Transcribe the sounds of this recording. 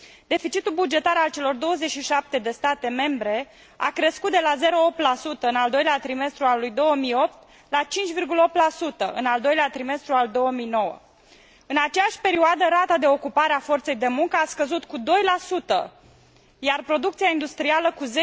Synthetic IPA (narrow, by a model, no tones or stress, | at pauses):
d̪̥e̞fit͡ʃit̪ulbud͡ʒe̞t̪aɾalt͡ʃe̞lo̞rd̪o̞wəzet͡ʃʃiʃap̚t̪e̞d̪e̞st̪at̪e̞me̞mbɾe̞ | a̰kɾe̞skut̪d̪elaze̞ɾo̞op̚t̪lasut̪əɨnald̪o̞jleat̪ɾime̞st̪ɾualujd̪o̞wəmijo̞p̚t̪ | lat͡ʃint͡ʃʲvirɡuləo̞p̚t̪lasut̪əʔɨ̰nald̪o̞jleat̪ɾime̞st̪ɾuald̪o̞wəmijno̞wə̰ | ɨnat͡ʃejaʃʲpe̞ɾioad̪əɾat̪ad̪e̞o̞kupaɾeafo̞rt̪se̞jd̪e̞muŋkəaskəzut̪kud̪o̞jlasut̪ə̰ | jarpɾo̞d̪ukt̪sijaind̪ust̪ɾialəkuze